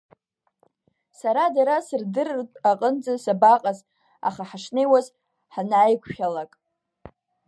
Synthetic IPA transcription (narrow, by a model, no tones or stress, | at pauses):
saɾadaɾasɨrdɨrtʼaqʼənd͡zʼasabaqʼaz | a̰χaħaʂnejwaz | ħanʕajkʷʰχʲalakʼ